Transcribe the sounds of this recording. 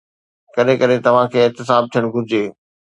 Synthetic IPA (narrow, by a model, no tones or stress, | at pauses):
kɐɗɦẽkɐɗet̪ɐʋ̤ãkʰeːɪt̪ɪsaːb̚t̪ʰijəɽ̃ɡʱʊɾɪd͡ʑeː